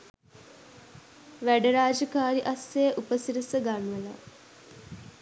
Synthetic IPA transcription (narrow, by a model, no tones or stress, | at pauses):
ʋæɖəɾaːd͡ʒəkaːɾiʔasːejəʔupəsiɾəsəɡanʋəla̰